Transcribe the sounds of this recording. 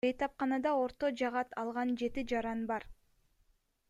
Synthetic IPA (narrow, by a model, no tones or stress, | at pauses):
ejt̪ɑp̚qɑnɑd̪ɑo̞ɾt̪od͡ʒɑʁɑt̪ʰɑlˠʁɑnd͡ʒe̞t̪id͡ʒɑɾɑnbɑɾ